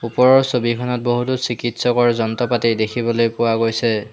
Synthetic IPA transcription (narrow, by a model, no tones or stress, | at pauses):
upɔɹɔɹsobikʰɔnɔt̚boɦutusikitsɔkɔɹzɔntɔpatiɹdekʰibɔlojpʊwaɡojsɛ